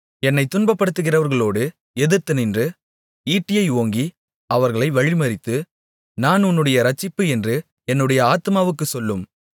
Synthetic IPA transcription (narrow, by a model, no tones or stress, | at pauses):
ɛnːɐɪt̪ːʊnbɐpːɐɽɯt̪ːɯɣɪrɐʋɐɾɣɐɭoːɽɯ | ɛðɯɾt̪ːɯnɪndrɯ | iːʈːɪjɐɪoːŋɡi | ɐʋɐɾɣɐɭɐɪʋɐɻɪmɐɾɪt̪ːɯ | naːnʊnːɯɽɐjɐɾɐt͡ʃːɪpːɯɛndrɯ | ɛnːɯɽɐjɐaːt̪ɯmaːʋɯkːɯsɔlːɯm